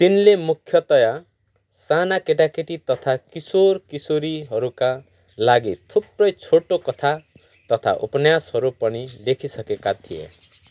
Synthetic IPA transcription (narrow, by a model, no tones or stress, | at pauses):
t̪inlemukʰːjʌt̪ɔja | sanakeʈakeʈit̪ʌt̪ʰakisoɾkisoɾiɦʌɾuka | laɡit̪ʰupɾʌjt͡sʰoʈokʌt̪ʰa | t̪ʌt̪ʰa̰ʔupɔnjashʌɾupʌɽ̃ilekʰisʌkekat̪ʰiḛ